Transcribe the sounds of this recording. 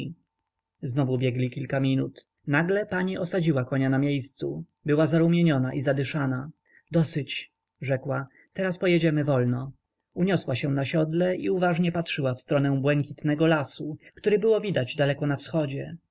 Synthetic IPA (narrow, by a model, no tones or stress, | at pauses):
znɔvubʲjɛɡlʲikʲilkamʲinut̪ | naɡlɛpaɲiʔɔsad͡ʑiwakɔɲanamʲjejst̪sṵ | bɘwazaɾumʲjeɲɔnaʔizad̪ɘʂana | d̪ɔsɘt͡ɕ | ʐɛkwa | t̪ɛɾaspɔjɛd͡ʑɛmɘvɔlnɔ | uɲɔswaɕɛ̃naɕɔd̪lɛiuvaʐɲɛpatʂɘwafst̪ɾɔnɛ̃bwɛŋkʲit̪nɛɡɔlasukt̪uɾɘbɘwɔvʲid̪ad͡ʑd̪alɛkɔnafsxɔd͡ʑɛ